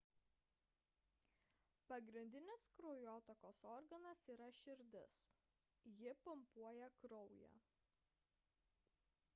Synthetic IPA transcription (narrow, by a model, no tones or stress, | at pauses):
pɐɡɾʲɪnʲd̪ʲɪnʲɪskɾɔʊjoːt̪okoːsɔɾɡɐnɐsiːɾɐʃʲɪɾʲd̪ʲɪs | jɪpʊmpuɔjɛkɾɔʊjæ̰ː